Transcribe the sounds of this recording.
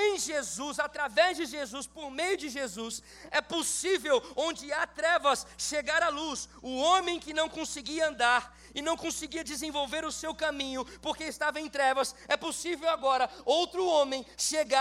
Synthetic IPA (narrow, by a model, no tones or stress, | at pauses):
ẽj̃ʒezuzat̪ɾavɛzd͡ʒɪʒezuspoɾmejʊd͡ʒɪʒezus | ɛposivewõd͡ʒɪat̪ɾɛvɐsʃeɡaɾalusʊõmẽj̃kɪnɐ̃w̃kõsɪɡiɐɐ̃nd̪aɾ | ɪnɐ̃w̃kõsɪɡiɐd͡ʒɪzẽvowveɾʊsewkamĩɲʊpoɾkeɪst̪avɐẽj̃t̪ɾɛvɐsɛposivewaɡɔɾɐowt̪ɾʊõmẽj̃ʃeɡa